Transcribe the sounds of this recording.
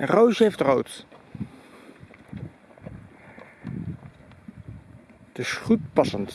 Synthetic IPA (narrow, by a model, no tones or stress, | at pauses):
ɛnrowʒejftrowt | d̥əsχut̚pɑsənt